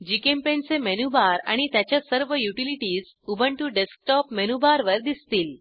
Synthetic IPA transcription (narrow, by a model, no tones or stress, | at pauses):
d͡ʑikempent͡semenubaɾa̰ɽ̃it̪jat͡ɕjasəɾʋəjuʈiliʈiːz | ubəɳʈuɖesk̚ʈɔpmenubaɾʋəɾd̪ist̪iːl